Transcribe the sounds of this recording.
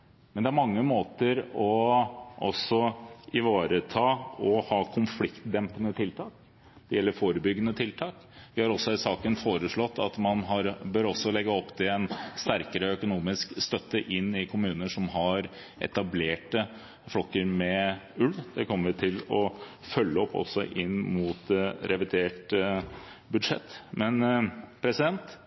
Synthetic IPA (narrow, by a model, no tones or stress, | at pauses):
mɛnd̪ɛæɾmɑŋːəmoːt̪əɾɔʔɔ̰sɔʔɪʋɑːɾət̪ʰɑːɔhɑːkʰʊnflɪkt̪d̪ɛmpənət̪ʰɪlt̪ʰɑːk | d̪̥ɛjɛlːəɾfoːɾəbʏɡːənət̪ʰɪlt̪ʰɑːk | ʋɪhɑɾɔsːɔsɑːkənfoːɾəʂɭɔt̪ʰːɑt̪mɑnɦɑɾbøːɾɔsːɔlɛɡːəɔpːt̪ʰɪɛnst̪æɾkəɾəɔœkʊnuːmɪskst̪œt̪ːəʔɪnːɪkʰʊmʉːnəʂɔmɦɑɾ | ʔɛ̰t̪ɑbleːʈə | flɔkːəɾmɛʉld̪̥ɛkʰɔmːəɾʋɪt̪ʰɪlɔ | fœlːəɔpːɔ̰sɔ̰ʔɪnːmuːt̪ɾɛʋɪd̪eːʈ | bʉd̪ʂɛ̰t̪ːmɛnpʰɾɛsɪd̪ɛnt̪